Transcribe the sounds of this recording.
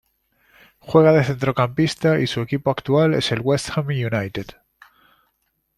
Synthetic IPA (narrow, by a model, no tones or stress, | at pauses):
xwe̞ɣ̞aðe̞θe̞nt̪ɾo̞kampist̪aisue̞kipoakt̪uale̞se̞lɣwe̞st̪xamijunajt̪ed̪